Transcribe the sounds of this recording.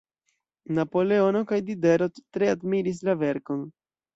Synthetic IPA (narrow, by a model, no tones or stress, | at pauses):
napo̞le̞o̞no̞kajdide̞ɾo̞ttɾe̞admiɾis̬lave̞ɾko̞n